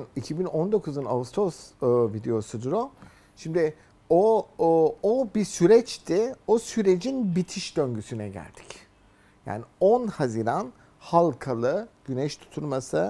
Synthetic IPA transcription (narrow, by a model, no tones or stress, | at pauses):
nicʰibinond̪o̞kʰuzuna̰ust̪ɾosvid̪e̞jo̞sud̪uɾo | ʃimd̪ɪ | o | obisyɾɛt͡ʃt̪ʰiosyɾe̞d͡ʒinbit̪ʰiʃd̪øɲɟysynɛ̰ɟæ̰lʲd̪̥i̥c | ja̰ːnionhaziɾan | halˠkʰalˠɯɟ̥ynɛʃt̪ʰu̥t̪ʰulˠmasɯ